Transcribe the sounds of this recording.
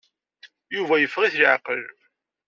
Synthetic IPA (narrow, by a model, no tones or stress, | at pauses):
juvæjəfːʁiθlʕqə̰l